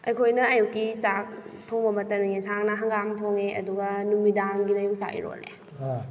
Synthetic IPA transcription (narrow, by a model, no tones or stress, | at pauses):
ɐjkʰojnɐɐjukːisak̚tʰoŋbɐmɐtɐɾmiŋesaŋnɐɦɐŋɡamtʰoŋeʔɐ̰duɡɐnumidaŋɡinɐjuksa̰kḭɾo̰lḛ